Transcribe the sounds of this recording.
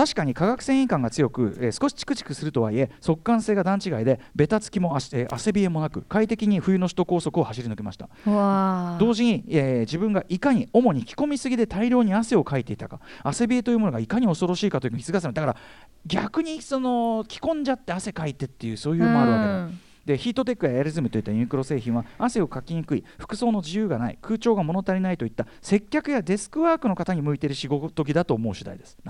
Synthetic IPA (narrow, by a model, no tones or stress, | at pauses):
t̪aɕi̥kaɲ̟ikaɡakɯ̟̥sẽ̞ɰ̃ĩŋkãŋɡat͡sɨjo̞kɯ̟esɨ̥ko̞ɕi̥t͡ɕi̥kɯ̟t͡ɕi̥kɯ̟sɨɾɯ̟t̪o̞βa̰ie̞so̞kːãɰ̃seːɡad̪ãɲ̟t͡ɕiɡaid̪e̞be̞t̪at͡sɨ̥kʲimo̞aeʔa̰se̞bʲie̞mo̞nakɯ̟kait̪e̞kʲiɲ̟iɸɯ̟jɯ̟no̞ɕi̥t̪o̞ko̞ːso̞kɯ̟o̞haɕiɾʲinɨkemaɕi̥t̪a | ad̪o̞ːʑiɲ̟ied͡ʑibɯ̟̃ŋɡaʔikaɲ̟io̞mo̞ɲ̟ikʲi̥ko̞mʲisɨɡʲid̪e̞t̪aiɾʲo̞ːɲ̟iase̞o̞kait̪e̞it̪akaase̞bʲie̞t̪o̞jiɯmo̞noɡaikaɲ̟io̞so̞ɾo̞ɕiːkat̪oji̟ɯ̟̃çisɨɡasemd̪akaɾa | ɡʲakɯ̟ɲ̟iso̞no̞kʲi̥kõ̞ɲ̟d͡ʑat̪ːe̞ase̞kait̪e̞t̪ːe̞jɯ̟so̞ːjɯːmoaɯ̟βake | d̪e̞çiːt̪ːo̞t̪̬ekːɯ̟jaeaɾʲizɨmɯ̟t̪o̞it̪ːaiɯ̟kɯɾo̞se̞ːçĩɰ̃βaase̞o̞kakʲiɲ̟ikɯ̟iɸɯ̥kɯ̟̥so̞ːno̞d͡ʑijɯːɡanaḭkʰɯ̟ːt͡ɕo̞ːɡamo̞no̞t̪aɾʲinait̪o̞it̪ːa | se̞kʲːakɯ̟jad̪e̞sɨ̥kɯ̟βaːkɯ̟no̞kat̪aɲ̟imɯ̟it̪e̞ɾɯ̟ɕiɡo̞t̪o̞ɡʲid̪at̪oːmo̞ɯ̟ɕid̪a̰id̪e̞sɨ̥